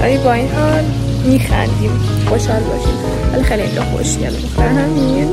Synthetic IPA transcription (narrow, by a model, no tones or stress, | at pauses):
ʔæ̰jibɒːinhɒːl | miːxæ̰nd̪im | xoʃɒlbɒ̰ːʃḭm | vælixeːliind͡ʒɒxo̰ʃcʰḛlɛmoxt̪æɾnæmmiin